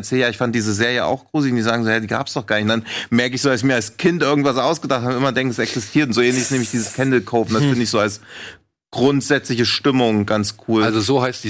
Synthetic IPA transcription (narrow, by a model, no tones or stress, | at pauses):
t͡ssɛːljaːɪçfant̚d̥iːzəzeːɐjəʔa̰ʊxɡ̥ʁuːzəlndiːzaːɡŋ̩zoːhɛdiːɡa̰ːpsd̥ɔχɡ̥aːɐnɪçndanmɛɐkəɪçsz̥oːdasçmiːɐalskʰɪntʔɪɐɡŋ̩tv̥asʔaʊsɡ̥ədaχtʰaːbnɪmɐdɛŋkŋ̩ɛsɛksɪstʰiːɐtʊntz̥oːʔeːnlɪçɪsneːm̩ɪçd̥iːzəskʰɛndl̩kʰoʊfnd̥asfɪndɪçz̥oːals | ɡ̥ʁʊntz̥ɛt͡slɪçəʃtɪmʊŋɡ̥ant͡skʰuːlalzozoːhaɪsd̥i